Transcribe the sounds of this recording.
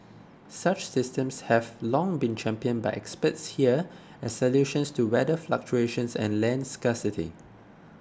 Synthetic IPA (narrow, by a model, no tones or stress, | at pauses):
sat͡ʃsɪstə̃mshɛvlɔ̃ŋbĩnt͡ʃʰɛ̃mpiə̃nbaɪʔɛkspətshiə | ɛssəljuʃə̃nstuwɛdəfla̰k̚t͡ʃueʃə̃nsɛ̰̃nlɛ̃nskɛsitḭ